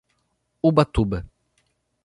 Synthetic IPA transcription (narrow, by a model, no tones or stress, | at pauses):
ubat̪ubə